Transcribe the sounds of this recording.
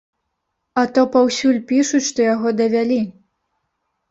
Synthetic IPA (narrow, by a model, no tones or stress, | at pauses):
ɐt̪ɔpawsʲulʲpʲiʂut͡sʲʂt̪ɔjaɣɔd̪ɐvʲalʲi